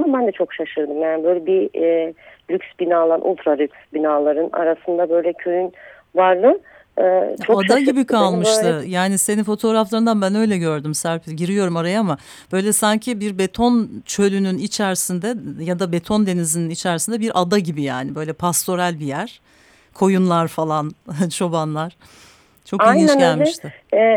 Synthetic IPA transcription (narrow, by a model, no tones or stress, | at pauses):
mabænd̪ɛt͡ʃʰo̞kʃaʃɯɾd̪ɯmjaːnibø̞jlʲɛbi | lʲykʲsbinaːlˠanʔṵlʲt̪ɾalʲykʲsbinaːlˠaɾɯna̰ɾasɯnd̪abø̞jlʲɛcʰøjyn | vaɾlˠɯː | t͡ʃʰoad̪aɟibikʰalˠmɯʃt̪ɯjaːnise̞ninfo̞t̪ʰo̞ɾaflˠaɾɯnd̪anbænø̞jlʲɛɟø̞ɾd̪ymsæɾpʰɟiɾijo̞ɾumaɾajama | b̥ø̞jlʲɛsaɲcʰibiɾbe̞t̪ʰo̞nt͡ʃʰø̞lʲynynit͡ʃʰæɾsind̪ɛjad̪abe̞t̪ʰo̞nd̪e̞nizininit͡ʃʰæɾsind̪ɛbiɾʔad̪aɟibija̰ːnibø̞jlʲɛpʰast̪ʰo̞ɾælʲbijæɾ̥ | kʰo̞junlˠaɾfalˠant͡ʃʰo̞banlˠaɾ̥ | t͡ʃʰo̞iiɟælʲmɛiʃt̪ʰɪɛ